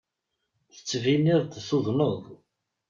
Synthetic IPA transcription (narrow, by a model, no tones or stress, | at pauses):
θə̥t͡sːviniðˤd̪θʊðˤnoðˤ